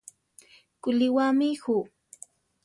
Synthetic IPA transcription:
kʊlɪwamihu

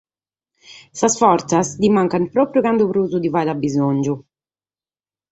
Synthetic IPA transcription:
sasfɔɾt̪sasd̪imaŋkanpɾɔːpɾjukand̪upɾuːzud̪ivad̪abːizoɲd͡ʒu

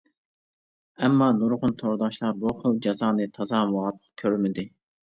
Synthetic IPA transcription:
ɛmːɑnuɾʁʊnt̪ʰoɾd̪ɑʃlˠɑɾbuχəlˠd͡ʒɑzɑːnɨt̪ʰɑzɑmɑʁɑt̪ə̥q̚kʲʰøɾmɪd̪ɪ

